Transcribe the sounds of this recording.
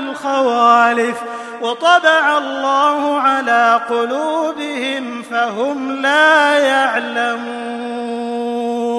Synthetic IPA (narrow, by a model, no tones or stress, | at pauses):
lxawaːlɪf | wɑt̪ˤɑbɑʕalˤːaːhʊʕalaːqʊluːbɪhɪm | faɦʊmlaːjaʕlamuː